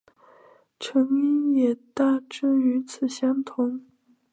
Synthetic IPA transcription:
ʈ͡ʂʰɤ˧˥ŋi˥njɛ˨˩t̪a˥˩ʈ͡ʂɻ̩˥˩y˧˥t͡sʰɹ̩˨˩ɕjɑ˥ŋt̪ʰʊ˧˥ŋ

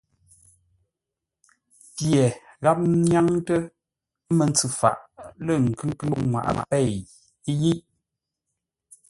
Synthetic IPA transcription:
pje˨ɣa˦p̚ɲja˦ŋtə˦ | mə˨nt͡sʉ˨fa̰˨ʔlə˦˨ŋ̩˨kʉ˦kʉ˦ŋwa̰˨ʔpɛ˦˨ | i˦ji˦

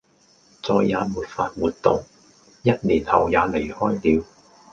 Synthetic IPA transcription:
t͡sɔː˨jːaː˨˧muː˨t̚faː˧t̚wuː˨t̚t̪ʊ˨ŋ | jɐ˥t̚nliː˨˩nhɐ˨˩wjaː˨˧le˨˩jhɔː˥jliː˨˧w

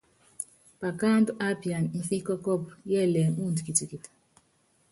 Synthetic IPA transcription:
pa˨ka˦ndʔa˦pi˨a˨nm̩˦fi˦kɔ˦kɔ˦˨p̚jɛ˦˨lɛ˨mu˦˨ndi˨ki˨ti˨ki˨t

